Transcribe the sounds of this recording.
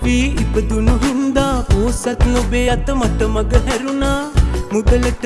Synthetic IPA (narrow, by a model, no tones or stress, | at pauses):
piipɐd̪unuɦind̪aːpoːsɐt̪nobeːɐt̪ɐmɐʈ̪ɐmɐɡɐɦɛɾunaːmud̪ɐlɐʈ